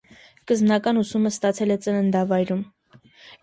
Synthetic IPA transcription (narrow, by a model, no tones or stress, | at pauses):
kəzmnɑkɑnusuməst̪ɑt͡sʰɛlɛt͡sənənd̪ɑvɑjɾum